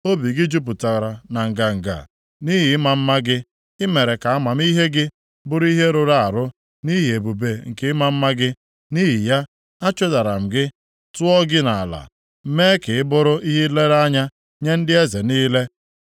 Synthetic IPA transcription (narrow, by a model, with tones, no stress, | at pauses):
o˦bi˨ɡɪ˦d͡ʒu˦p̬u˨ta˨ɣɾa˨na˨ŋ̩˨ɡa˨ŋ̩˨ɡa̰˨ | ni˦ɦi˨ɪ˦ma˨m̩˦ma˦ɡɪ˦ | ɪ˦me˨ɾe˨ka˨a˦ma˨m̩˦i˦ɦe˦ɡɪ˦ | bʊ˦ɾi˦ɦe˦ɾo˦ɾa˦˨a˨ɾʊ˦ | ni˦ɦi˨e˨bu˨be˨ŋ̩˨kɪ˦ɪ˦ma˦m̩˦ma˦ɡɪ˦ | ni˦ɦi˨ja˦ | a˦t͡ʃʊ˦da˨ɾa˨m̩˨ɡɪ˦ | tʊ˦ɔ˦ɡɪ˦na˨a̰˨la̰˨ | m̩˦me˦kɪ˨ɪ˦bʊ˦ɾʊ˦ʔi˦ɦi˦le˦ɾa˦ɲa˦ | ɲe˦n̩˦dɪ˦e˦ze˨niː˦le˦